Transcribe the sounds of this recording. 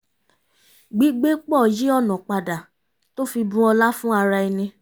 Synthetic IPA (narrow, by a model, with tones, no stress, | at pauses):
ɡ͡bi˨˦ɡ͡be˦k͡pɔ˦˨ji˦ɔ˦˨nɔ̃˨k͡pa˨da˨ | to˦fi˧bũ˦ɔ˧la˦fũ˦a˧ɾa˧i˧nĩ˧